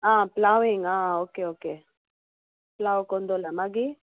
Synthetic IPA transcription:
ãplawĩŋãokeoke | plawokɔ̃nd̪olamaɡi

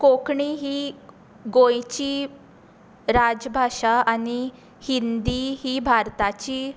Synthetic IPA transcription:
kokɳiɦiː | ɡõjt͡ɕiː | ɾad͡zbʱaʂaani | hind̪iɦiːbʱaɾt̪at͡ɕiː

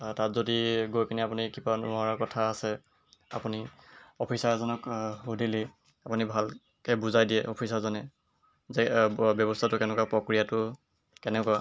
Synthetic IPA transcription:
tatzodiɡojpiniapunikibanuaɹakɔtʰaːsɛ | a̰puniɔpʰisaɹzɔnɔkudili | apunibʱal | kɛbuzajdijɛʔɔpʰisazɔnɛ | zɛbjɔbɔstʰatʊkɛnɛkwapɹɔkɹijatʊ | kɛnɛkɔa

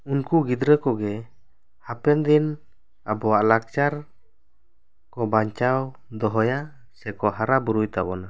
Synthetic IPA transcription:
unkuɡid̪ɾəkɔɡɛ | hapɛnd̪in | abɔwaʔlak̚t͡ʃaɾ | kɔbaɲt͡ʃawd̪ɔɦɔja | sɛkɔɦaɾabuɾujt̪abɔna

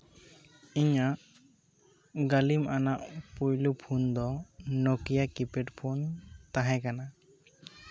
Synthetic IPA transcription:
iɲaʔ | ɡalimʔanaʔpujlupʰund̪ɔnɔkijakipeʈpʰunt̪aɦɛkana

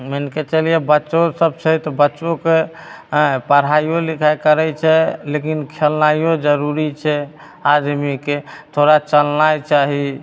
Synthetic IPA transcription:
mənket͡ʃəlijebətːʃosəb̚t͡ʃʰɛt̪ɔbətːʃoke | pəɾɦaijolikʰajkəɾɛt͡ʃʰɛlekinkʰelnajod͡ʒəɾuɾit͡ʃʰɛ | ad̪miket̪ʰoɾat͡ʃəlnajt͡ʃaɦi

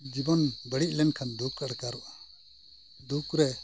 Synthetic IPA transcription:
d͡ʒibɔnbəɽiʔ̚lɛnkʰand̪ukɾaɽkaɾuʔa | d̪ukɾɛ

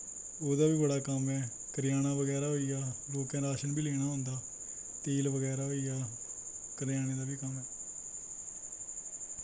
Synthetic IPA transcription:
oːd̪aːbiːbəɽaːkəmɛː | kəɾjaːñaːʋəɡɛːɾaːoijaːloːkɛ̃ːɾaːʃənbiːleːɽ̃aːɦʊ̃nd̪aː | t̪iːlʋəɡɛːɾaːoijaː | kəɾɪjaːɽ̃eːd̪aːʋiːkəmɛː

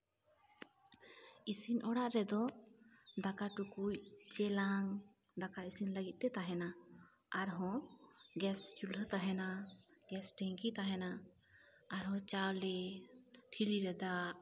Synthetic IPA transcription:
isinɔɽaʔɾɛd̪ɔ | d̪akaʈukujt͡ʃɛlaŋ | d̪akaisinləɡit̪̚ˀt̪ɛt̪aɦɛna | aɾɦɔ̃ɡɛst͡ʃulɦət̪aɦɛnaɡɛsʈɛŋkit̪aɦɛna | aɾɦɔ̃t͡ʃawlɛ | ʈʰiliɾɛd̪aʔ

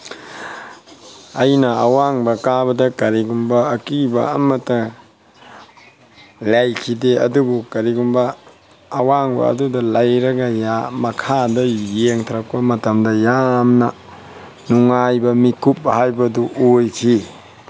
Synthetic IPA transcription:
ɐjnɐɐwaŋbɐkabɐdɐkɐɾiɡumbɐːkibɐ̰ɐmɐtːɐ | lajkʰideɐdubukɐɾiɡumbɐː | waŋbɐ̰ɐ̰dudɐlajɾɐɡɐjamɐkʰadɐjeŋtʰɐɾɐk̚pɐmɐtɐmdɐjamnɐ | nuŋajbɐmikʰup̚hajbɐduʔojkʰi

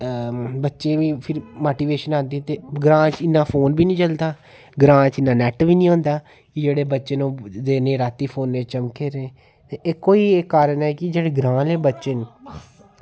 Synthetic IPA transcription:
bətːʃẽːʋiːpʰɪɾmoːʈiːʋeːʃənãːnd̪iːt̪eːɡɾãːt͡ʃɪnːãːpʰoːnbiːnĩːt͡ʃəld̪aː | ɡɾãːt͡ʃɪnːaːnɛːʈʋiːnĩːɦõːnd̪aː | kɪd͡ʒeːɽeːbətːʃeːnũːd̪eːneːɾaːt̪ːiːpʰoːnːẽːt͡ʃəmkeːɾẽː | t̪eeːkoːiːeːkːaːɾəɳɛːkɪd͡ʒeːɽeːɡɾãːleːbətːʃən

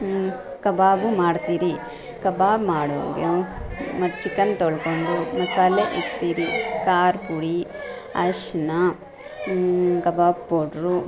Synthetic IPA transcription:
kɐbaːbumaːɽt̪iːɾi | kɐbaːbmaːɽo̰ːɡeomɐɾt͡ʃikːɐnt̪oɭkoɳɖumɐsaːleʔit̪iːɾikaːɾpuɽi | ɐʃna | kɐbaːbpːoːʈɾu

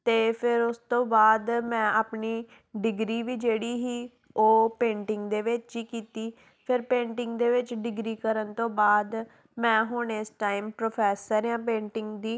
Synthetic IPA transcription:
t̪eːpʰɪɾʊst̪õːbaːd̪mɛ̃ːʔaːpniː | ɖɪɡɾiːʋiːd͡ʒeːɽiːɦiː | oːpẽːɳʈɪŋɡd̪eːʋɪt͡ʃd͡ʒiːkiːt̪iː | pʰɪɾpẽːɳʈɪ̃ŋɡd̪eːʋɪt͡ʃɖɪɡɾiːkəɾənt̪õːbaːd̪ | mɛ̃ːɦʊɳɪsʈaːimpɾoːpʰɛːsəɾjãːpẽːɳʈɪŋɡd̪iː

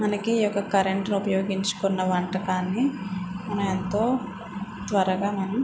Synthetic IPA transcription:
mɐnɐkiːjɔkːɐkɐɾeɳʈnupɐjoːɡiɲt͡ʃu̥kunːɐʋɐɳʈɐkaːnːimɐnɐment̪o̞ː | t̪ʋɐɾɐɡaːmɐnɐm

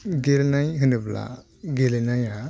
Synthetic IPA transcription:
ɡelnajɦɯnɯbla̰ | ɡelenaja

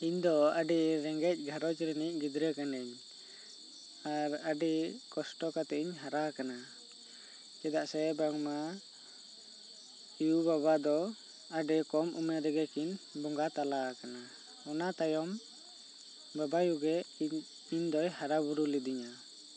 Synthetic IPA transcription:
iɲd̪ɔaɖiɾɛŋɡɛc̚ˀɡʱaɾɔd͡ʒɾɛnic̚ɡid̪ɾɛkanɛɲ | aɾaɖɛkɔsʈɔkat̪ɛʔiɲɦaɾakana | kɛd̪aʔsɛbaŋma | ijubaβad̪ɔ | aɖɛkɔmʔṵmɛɾɛɡɛkinbɔŋɡat̪alakana | ɔnat̪ajɔm | babajuɡɛ | iɲd̪ɔjhaɾabuɾulid̪iɲa

